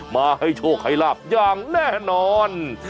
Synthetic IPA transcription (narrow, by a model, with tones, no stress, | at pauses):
maː˧ha˥˩jt͡ɕʰoː˧˩k̚ha˧˥˩jlaː˧˩p̚jaː˧ŋnɛː˥˩nɔː˧n